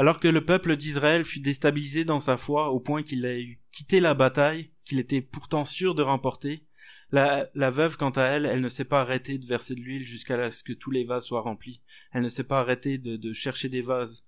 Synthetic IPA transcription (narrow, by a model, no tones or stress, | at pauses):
alɔʁkələpœpləd̪isʁaɛlfyd̪est̪abilized̪ɑ̃safwaopwɛ̃kʲilaykʲʰit̪elabat̪ajkʲilet̪ɛpuʁt̪ɑ̃syʁd̪əʁɑ̃pɔʁt̪e | lalavœvkɑ̃t̪aɛlɛlnəsɛpaːʁet̪ed̪əvɛʁsed̪əlɥilʒyskalaskət̪ʰulevazswaʁɑ̃pliɛlnəsɛpaːʁet̪ed̪əd̪əʃɛʁʃed̪evaz